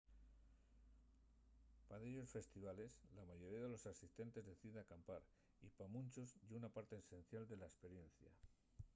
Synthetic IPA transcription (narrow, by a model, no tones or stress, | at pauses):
paðeʎo̞sfe̞st̪iβale̞slamaʝo̞ɾiaðe̞lo̞sasist̪e̞nt̪e̞zðe̞θiðeakampaɾ | ipamũnt͡ʃozʝeunapaɾt̪e̞ːse̞nθjald̪e̞laespe̞ɾje̞nθja̰